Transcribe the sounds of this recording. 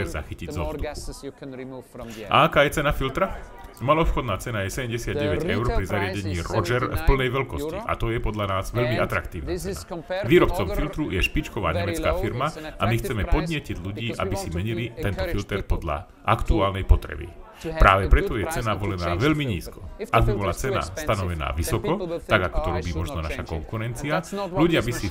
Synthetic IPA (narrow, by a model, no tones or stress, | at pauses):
ɛɾza̰xiciɟzɔst̪up̚ukʔa̰akaːjɛt͡sɛnafilt̪ɾa | malɔpxɔd̪naːt͡sɛnajɛsɛɟɛmɟɛsɪad̪̚ɟɛʋɛɟɛʊɾpɾizaɾɪaɟɛɲiːɾɔd͡ʒɛɾfpl̩nɛjʋɛlkɔsciʔa̰t̪ɔjɛpɔd̪lʎanaːzʋɛʎmiʔat̪ɾakt̪iːʊna̰t͡sɛaʋiːɾɔp̚t͡sɔmfilt̪ɾujɛʃpit͡ʃkɔʋaːɲɛmɛt͡ska̰ːfiɾmaamixt͡sɛmɛpɔd̪ɲɪɛciɟʎuɟiːʔa̰bisimɛɲilit̪ɛnt̪ɔfilt̪ɛɾpɔd̪ʎa̰ | ʔakt̪uaːlnɛjpɔt̪ɾɛ̰bḭ | pɾaːʋɛpɾɛt̪ɔjɛt͡sɛnaʋɔlɛnaːʋɛʎmiɲḭːskɔ̥ʔaɡ̚bibɔlat͡sɛna̰st̪anɔʋɛna̰ːʋisɔkɔt̪aɡakɔ̥t̪ɔɾɔbiːmɔʒnɔnaʃakɔŋkuɾɛnt͡sialuɟɪabisi